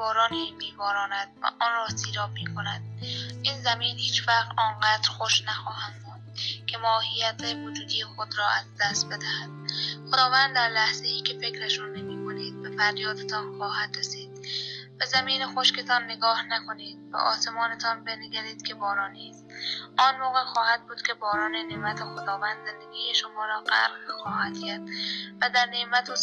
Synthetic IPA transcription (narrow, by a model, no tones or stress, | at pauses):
bɒːɾɒːniːmiːbɒːɾɒːnæd̪̥̚væ̰ʔɒːnrɒːsiːɾɒːbmiːkʰonæ̰d̪̥̚ʔiːnzæmiːnhiːt͡ʃfæɣt̪ɒːnɢæːd̪ɾxoʃnæxɒːhæmbuːnd̪̚kʰe̞mɒːhijæt̪ʰævod͡ʒuːd̪iexod̪ɾɒːʔæzd̪æst̪̚be̞d̪æhæd̪xod̪ɒːvænd̪d̪æɾlæhz̥ejiːkʲʰe̞fe̞kɾeʃunnːemiːkʰoniːd̪̚befæɾjɒːd̪et̪ʰɒːnxɒːhæd̪ɾesiːd̪̚b̥æzæmiːnexoʃket̪ʰɒːnːeɡɒːhnækʰoniːd̪̥̚bæ̰ʔɒ̰ːsemɒːnet̪ʰɒːnbeneɡæɾiːd̪̥kʲʰe̞bɒːɾɒːniːs | ʔɒːnmoːɣexɒːhæd̪̚buːd̪kʲʰebɒːɾɒːnenemæt̪ʰexod̪ɒːvænd̪zend̪eɡʲiːjeʃomɒːɾɒːqæ̰ɾxɒːhæd̪kʰæɾd̪væd̪æɾneʔmæt̪ʰo